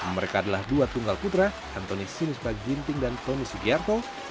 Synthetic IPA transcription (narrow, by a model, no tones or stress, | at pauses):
məɾekaːdalahduat̪uŋɡalput̪ɾa | ant̪onisinɪspaɡint̪ɪŋdant̪onisuɡiart̪o